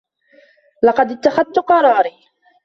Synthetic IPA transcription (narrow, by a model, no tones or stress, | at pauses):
lɑqɑd̪ɪt̪ːaxaðt̪ʊqɑɾˤɑːɾiː